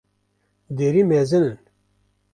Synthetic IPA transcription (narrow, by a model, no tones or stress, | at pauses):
d̪eːɾiːmezɨnɨn